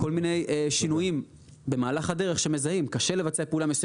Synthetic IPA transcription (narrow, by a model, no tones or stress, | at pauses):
ko̞lmine̞jʔeʃinujim | be̞maːlaχhade̞ʁeχʃeme̞zaimkaʃe̞levat͡seapeulamjesu